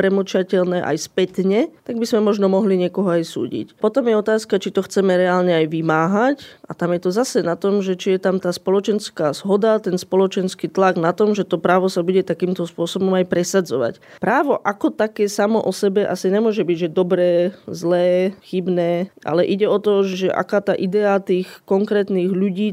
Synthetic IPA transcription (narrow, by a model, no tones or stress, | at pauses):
pɾɛmut͡ʃacɛlnɛːʔa̰jspɛt̪ɲɛt̪aɡ̚bizmɛmɔʒnɔmɔɦliɲɪɛkɔɦɔajsṵːɟḭcpɔt̪ɔmjɛɔt̪aːskat͡ʃit̪ɔxt͡sɛmɛɾɛaːlɲɛajʋimaːɦacʔa̰t̪amjɛt̪ɔzasɛnat̪ɔmʒɛt͡ʃijɛt̪amt̪aːspɔlɔt͡ʃɛnskaːz̥ɦɔd̪at̪ɛnspɔlɔt͡ʃɛnskiːt̪laɡnat̪ɔmʒɛt̪ɔpɾaːʋɔsabuɟɛt̪akiːmt̪ɔspʊɔsɔbɔmajpɾɛsad͡zɔʋa̰c | pɾaːʋɔʔakɔt̪akɛːsamɔ̰ʔɔsɛbɛʔasiɲɛmʊɔʒɛbiɟʒɛd̪ɔbɾɛːzlɛːxibnɛːʔa̰lɛʔiɟɛɔt̪ɔʒɛʔa̰kaːt̪aːʔid̪ɛat̪iːxkɔŋkɾɛːt̪niːɣʎuɟiː